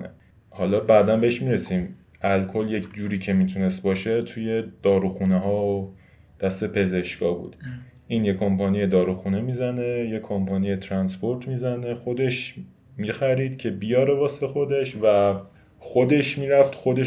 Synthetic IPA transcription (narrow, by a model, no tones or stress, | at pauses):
nḛ | hɒːlɒːbæːd̪ænbeeʃmiɾe̞siːm | ʔælkʰolje̞cʰd͡ʒuːɾiːcʰe̞miːt̪ʰune̞st̪̚bɒːʃe̞t̪ʰuje̞d̪̥ɒːɾuxuneɦɒːo | d̪̥æst̪e̞pʰe̞ze̞ʃkɒːbṵːd̪̥ | ʔiːnjekʰompʰɒnije̞d̪ɒːɾuxune̞miːzæne̞je̞kʰompʰɒːnije̞t̪ʰɾænspoɾt̪ʰmiːzæne̞xo̞d̪e̞ʃ | miːxæɾiːd̪̥cʰe̞bijɒːɾe̞vɒːsexo̞d̪e̞ʃvæ | xod̪e̞ʃmiːɾæft̪xo̞d̪e̞